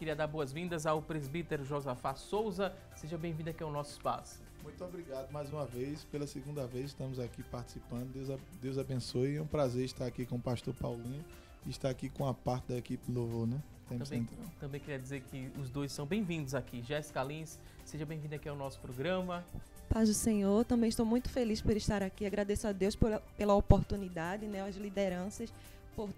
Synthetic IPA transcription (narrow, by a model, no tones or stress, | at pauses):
kɪɾiɐd̪aɾboɐzvĩnd̪ɐzawpɾezbit̪eɾʒozafasowzɐ | seʒɐbẽj̃vĩnd̪ɐakiawnɔsʊɪ̥spa̰sʊ̥ | mũj̃t̪ʊobɾiɡad̪ʊmajzũmɐvejspelɐseɡũnd̪ɐvejzɪʃt̪ɐ̃mʊzakipaɾt̪i̥sipɐ̃nd̪ʊd̪ewzad̪ewzabẽsojɛũpɾazeɾiʃt̪aɾakikõʊpaʃt̪oɾpawlĩɲʊː | ʃt̪aɾakikõɐpaɾt̪ɪd̪ɐekipɪlovonɛ | t̪ẽm̃bsẽnt̪ɾawt̪ɐ̃bẽj̃kɪɾiɐd͡ʒ̪izeɾkɪʊzd̪ojssːɐ̃w̃bẽj̃vĩnd̪ʊzakiʒɛskalĩs | seʒɐbẽj̃vĩd̪ʊakiawnɔsʊ̥pɾoɡɾɐ̃mɐ | pazʊsẽɲoɾt̪ɐ̃mbẽʃt̪owmũj̃t̪ʊ̥felispoɾiʃt̪aɾakiaɡɾad̪esʊad̪ewsppelɐopoɾt̪unid̪ad͡ʒɪnɛɐzlid̪eɾɐ̃sɐs | poɾ